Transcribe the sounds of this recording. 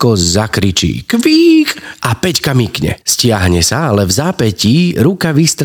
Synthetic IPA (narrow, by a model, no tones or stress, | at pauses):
kɔzakɾit͡ʃḭːkʋiːkʔapɛckamikɲɛ̰scɪaɦɲɛsaalɛvzaːpɛciɾukaʋist̪ɾ